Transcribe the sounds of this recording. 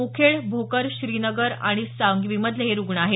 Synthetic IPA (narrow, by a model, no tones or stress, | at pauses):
ukʰeɭbʱokəɾɕɾiːnəɡəɾa̰ɽ̃isaŋɡʋiməd̪ʱjeɦeɾuɡɳaɦe